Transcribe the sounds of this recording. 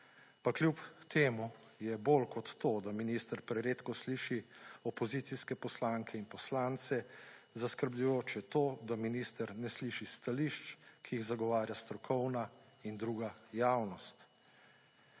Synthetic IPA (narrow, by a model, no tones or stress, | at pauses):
paklʲjupt̪eːmu | jɛbolkɔt̪ːoːd̪aminist̪əɾpɾɛɾeːt̪kɔsliːʃiɔpɔzit̪siskɛpɔslaŋkʰɛinpɔslaːnt̪sɛzaskəɾbʎujoːt͡ʃɛt̪oːd̪aminist̪əɾnɛsliʃist̪aliʃt͡ʃkʰijiɣzaɡɔʋaːɾjast̪ɾɔkʰɔwna | ind̪ɾuːɡajawnɔst̪